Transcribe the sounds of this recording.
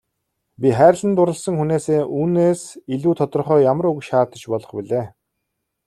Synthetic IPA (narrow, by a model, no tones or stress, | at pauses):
pʲiχæːɾ̆ʲɮə̆nt̪ʊɾə̆ɮsə̆ŋxuneːseːʔuːneːsiɮuːt̪ʰɔt̪ɞ̆rχœːjamərukʃaːt̪ə̆t͡ɕpɔɮɞ̆χpiɮeː